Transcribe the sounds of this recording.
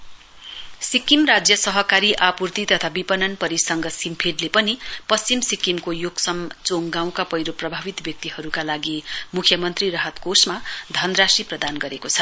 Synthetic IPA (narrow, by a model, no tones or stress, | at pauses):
sikimrad͡zjʌsʌɦʌkaɾiʔapurt̪it̪ʌt̪ʰabipʌnʌnpʌɾisʌŋɡʌsimpʰeɖlepʌnipʌst͡simsikimkojoɡsʌmt͡soŋɡãw̃kapʌjɾoprʌbʱabit̪bjʌk̚t̪iɦʌɾukalaɡimukʰjʌmʌnt̪rirʌɦʌt̪kosmad̪ʱʌnrasiprʌd̪anɡʌɾekot͡sʰʌ